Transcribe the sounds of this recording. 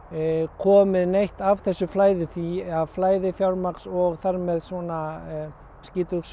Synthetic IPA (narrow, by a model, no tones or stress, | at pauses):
kʰɔːmɪðnejht̪av̥θɛsːʏflaːjðɪθiaðflaːjðɪfjawɾmaksɔɣθaɾmɛðswɔna | sciːt̪ʏks